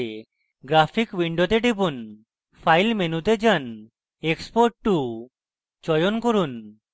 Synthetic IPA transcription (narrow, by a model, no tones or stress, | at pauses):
ɡɾapʰikwiɳɖot̪eʈipun | pʰajlmenut̪ed͡ʒan | ekspoɾʈʈu | t͡ʃɔjonkoɾun